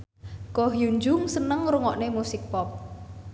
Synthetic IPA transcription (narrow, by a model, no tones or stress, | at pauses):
kɔɦjuɲd͡ʒʊŋsənəŋɾuŋɔʔnemusɪk̚pɔp̚